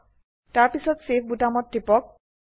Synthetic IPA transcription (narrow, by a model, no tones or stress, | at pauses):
taɾpisʰɔt̪sefʰbuʈamɔtːipɔk̚